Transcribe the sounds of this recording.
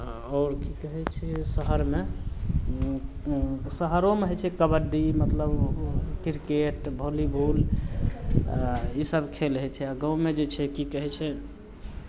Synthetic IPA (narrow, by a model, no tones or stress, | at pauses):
ɔːɾkikəɦɛt͡ʃʰɛsəɦəɾme | səɦəɾomeɦɛt͡ʃʰɛkəbəɖimət̪ləbkiɾkeʈbʱolibʱul | isəbkʰelɦɛt͡ʃʰɛaɡãũmed͡ʒet͡ʃʰɛkikəɦɛt͡ʃʰɛ